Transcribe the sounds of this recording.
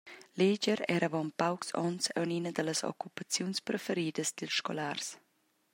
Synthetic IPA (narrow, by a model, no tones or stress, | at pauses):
led͡ʒəɾɛɾavɔmpawksɔ̰nsa̰wninəd̪ələsɔ̰kupat͡sjunspɾəfəɾiːd̪əsd̪ilsʃkɔ̰lars